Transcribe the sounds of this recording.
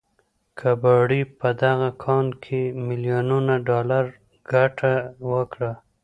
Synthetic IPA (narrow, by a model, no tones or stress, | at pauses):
kʰabɑɽipəd̪aɣakʰɑnkʰemɪlijonunaɖɑlaɾ | ɡ̥aʈʰawəkɽa